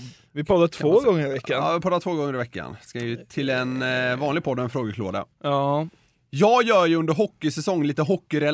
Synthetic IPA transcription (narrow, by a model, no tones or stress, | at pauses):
vɪpʰɔd̪aʈ̪ʰvoːɡɔŋːəɾɪvɛkːa̰ːvɪpʰɔd̪ːat̪ʰvoːɡɔŋːəɾɪvɛkːa̰nskaɪɪt̪ʰɪlɛnvɑːnlɪɡ̚pʰɔd̪ːɔɛnfɾoːɡəkʰlo̰ːd̪a̰ | jɑːɡjœːjɵnd̪əɾɦɔkːɪsɛsɔŋːliːt̪əɦɔkːɪɾɛl